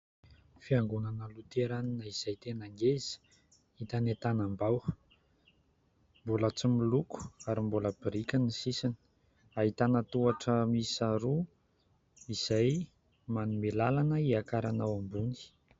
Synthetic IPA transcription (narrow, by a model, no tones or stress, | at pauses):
fiaŋɡunanəlut̪eɾaninəiz̥ajt̪enaŋɡez̥i̥ | it̪anet̪anambaw | mbulat͡similuku̥aɾimbuləb̥iɾikʲənisisini̥ | aɦit̪anət̪uaʈ͡ʂəmisaɾu | iz̥aj | manumelalanəiakaɾanawambuni̥